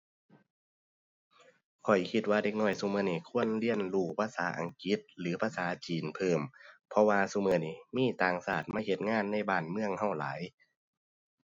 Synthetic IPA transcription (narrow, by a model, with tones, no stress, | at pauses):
kʰɔ˨˩jkʰi˧t̪̚waː˧de˧k̚nɔː˧˩jsuː˧mɤː˧˩˨ni˧˩kʰu˧˥˨ənli˧˨ənluː˧˩pʰaː˧saː˨˦ʔa̰˨ŋki˧˦t̪̚lɯː˨˦pʰaː˧saː˨˦t͡ɕiː˨npʰɤː˧˩mpʰɔ˧waː˧su˧˨mɤː˧˩ni˧˩miː˧˥˨t̪aː˨˩ŋsaː˨˩t̪̚maː˧˥˨he˧t̪̚ŋaː˧˥˨nːa˧˥˨jbaː˧˩nmɯ˧˨əŋha˧˩wla̰ː˨˦j